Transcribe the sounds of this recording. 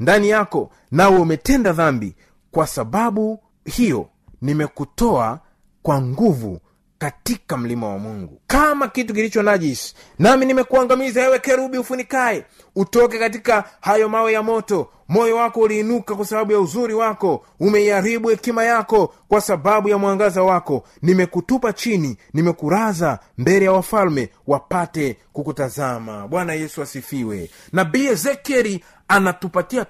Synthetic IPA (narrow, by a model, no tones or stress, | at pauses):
ndanijakɔ | nawɛumɛtɛndaðambḭ | kwasaɓaɓu | hijɔ̰ | nimɛkutɔa̰ | kwaŋɡuvṵ | katikam̩lima̰wa̰muŋɡṵkamakituk̬ilit͡ʃɔnaʄis | naminimɛkuaŋɡamizaɛwɛkɛɾuɓiufunikaɛ | utɔkɛkat̬ikahajɔmawɛjamɔtɔ | mɔjɔwakɔuliːnukakwasaɓaɓujauzuɾiwakɔ | umɛiaɾiɓuhɛkimajakɔkwasaɓaɓujamwaŋɡazawakɔ | nimɛkutupat͡ʃininimɛkuɾaza | mbɛlɛjawafalmɛ | wapatɛ | kukutazama̰ɓwanajɛsuasifiwɛ̰ | nabiɛzɛkɛɾi | anatupatia